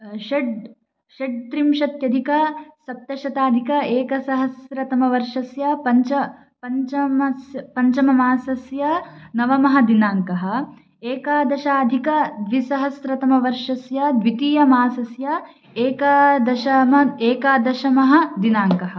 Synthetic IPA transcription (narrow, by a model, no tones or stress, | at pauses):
ʃɐɖ | ʃeɖ̚t̪ɾimʃɐt̪jɐd̪ʱikɐsɐp̚t̪t̪ɐʃɐt̪aːd̪ʱikɐeːkɐsɐɦɐsɾɐt̪ɐmɐʋɐɾʂɐsjɐpɐɲt͡ʃɐ | pɐɲt͡ʃɐmɐsjɐpɐɲt͡ʃɐmɐmaːsɐsjɐnɐʋɐmɐɦɐd̪inaːŋkɐɦɐ̆ | eːkaːd̪ɐʃaːd̪ʱikɐd̪ʋisɐɦɐsɾɐt̪ɐmɐʋɐɾʂɐsjɐd̪ʋit̪iːjɐmaːsɐsjɐ | eːkɐd̪ɐʃɐmɐeːkaːd̪ɐʃɐmɐɦɐd̪inaːŋkɐɦɐ̆